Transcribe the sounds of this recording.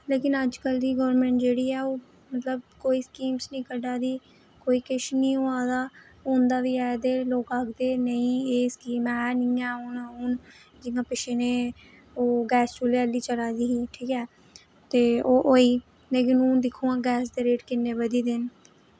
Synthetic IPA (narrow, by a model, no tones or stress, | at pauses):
leːkɪnəd͡ʒkəld̪iːɡəʋəɾmɛ̃ɳʈd͡ʒeːɽiːɛːoː | mət̪ləb̚koːiːskiːmsnĩːkəɖaːd̪iː | koːiːkɪʃnĩːoːãːd̪aː | õːnd̪aːʋiːɛːd̪eːloːkaːkd̪eːnəĩːeːskiːmɛːnɪ̃ːɛːoːnuːn | d͡ʒɪŋɡãːpɪʃeneː | oːɡɛːst͡ʃuːleːəlːiːt͡ʃəɽaːd̪iːɦiːʈʰiːkɛː | t̪eːoːʔoːiː | leːk̬ɪnũːnd̪ɪkʰːũːãːɡɛːsd̪eːɾeːʈkɪnːeːʋəd̪iːd̪ɪn